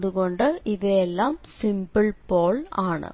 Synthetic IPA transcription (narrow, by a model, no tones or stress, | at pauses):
ðɯkɔɳɖɐʔɪðeɛlːaːmsɪmbɐɭpoːɭaːɳɨ̰